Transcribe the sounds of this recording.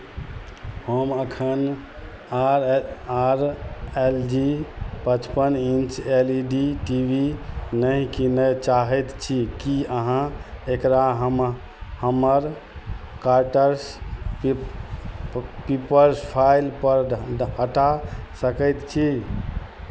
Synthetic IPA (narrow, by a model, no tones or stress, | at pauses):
həməkʰən | aɾaɾeld͡ʒipət͡ʃpənint͡ʃeliɖiʈibinəɦkinet͡ʃaɦɛt̪t͡ʃʰikiəɦãekɾaɦəm | həməɾ | kaɾʈəɾs | pipəɾspʰailpəɾɦəʈasəkɛt̪t͡ʃʰi